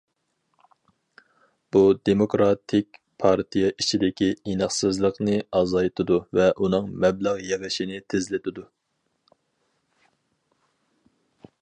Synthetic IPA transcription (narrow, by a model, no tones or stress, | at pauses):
b̥ud̪emokɾɑt̪ʰɪk̚ʲ | pʰɑɾt̪ʰijɛʔit͡ʃʰid̪ɪkʲiinɨχsɨzlˠəqnɨɑzɑjt̪ʰɨd̪uvɛʔunɨŋmɛblæʁjɛʁɪʃinɪt̪ʰɪzlɪt̪ʰɪd̪u